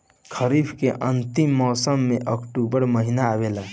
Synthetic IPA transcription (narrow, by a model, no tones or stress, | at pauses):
kʰəɾibʰkeʔə̃nt̪imːɔːsəmːẽʔəkʈubəɾməɦinaːʋela